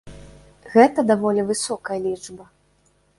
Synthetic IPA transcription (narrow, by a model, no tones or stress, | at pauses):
ɣɛt̪ɐd̪avɔlʲivɨsɔkɐjɐlʲiʐbɐ